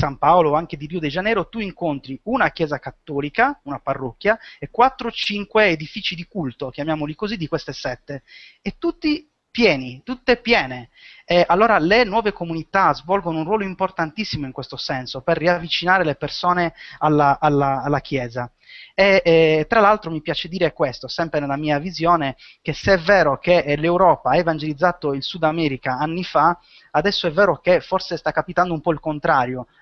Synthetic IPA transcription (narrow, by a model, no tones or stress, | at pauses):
sampaoloaŋked̪iɾiod̪ɛd͡ʒanɛːɾot̪uiŋkont̪ɾiunakjɛːzakat̪ːɔːlikaunaparːɔkːjaekwat̪ːɾot͡ʃiŋkweːd̪ifit͡ʃid̪ikult̪okjamjaːmolikozid̪ikwest̪esɛt̪ːe | ɛt̪ːut̪ːi | pjɛːnit̪ut̪ːepjɛːneɛalːɔːɾalenwɔːvekomunit̪azvɔlɡonounrwɔːloimport̪ant̪isːimoiŋkwest̪osɛnsoperːiavːit͡ʃinaːɾelepersɔːnealːaːlːaːlːakjɛːza | et̪ːɾalalt̪ɾomipjaːt͡ʃed̪iːɾekwest̪osɛmpɾenelːamiːavizjɔːne | k̟eseɛvɛːɾokelewɾɔːpaaevand͡ʒelid̪zːaːt̪oilsud̪amɛːɾikaanːifa | ad̪ɛsːoɛvːɛːɾokefɔrsest̪akːapit̪and̪oumpɔilkont̪ɾaːɾjo